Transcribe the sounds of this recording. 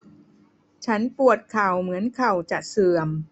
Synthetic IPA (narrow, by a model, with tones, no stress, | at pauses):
t͡ɕʰa˦˥npu˨˩ət̪̚kʰa˨˩wmɯ˩˦ənkʰa˨˩wt͡ɕa˨˩ʔsɯ˨˩əm